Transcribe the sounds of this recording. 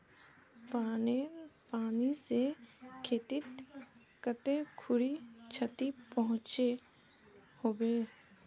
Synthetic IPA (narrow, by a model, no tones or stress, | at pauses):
paːnepaːnisekʰeːt̪ɪt̪ | kət̪ekʰʊɾit͡ʃʰət̪ipəɦʊ̃t͡ʃe | hoːbeː